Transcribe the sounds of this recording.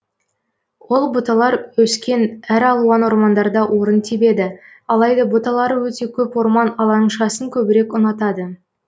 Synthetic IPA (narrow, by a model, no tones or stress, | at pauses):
wo̞lˠbʊt̪ɑlˠɑɾwɵskʲe̞næɾɑlˠuɑnwo̞ɾmɑnd̪ɑɾd̪ɑwʔo̞ɾənt̪ʰibe̞d̪ɪ | ɑlˠɑjd̪ɑbʊt̪ɑlˠɑɾəwɵt̪e̞kʲʰɵpwo̞ɾmɑnɑlˠɑɴʃɑsəŋkʲʰɵbɪɾe̞kʊnɑt̪ɑd̪ə